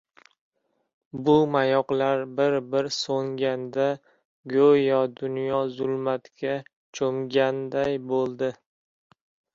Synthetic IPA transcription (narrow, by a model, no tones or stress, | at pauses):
bʊmajɒqlaɾbɪɾbɪɾsoŋɡʲand̪a | ɡʲojɒd̪ʊnjɒzʊlˠmat̪kʲa | t͡ʃʰomɡʲand̪ajbolˠd̪ɪ